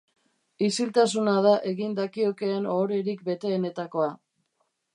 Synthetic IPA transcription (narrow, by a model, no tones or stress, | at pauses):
isilt̪as̬unaðaʔeɣind̪akio̞ke̞anoːɾe̞ɾik̚be̞t̪e̞ːne̞t̪ako̞a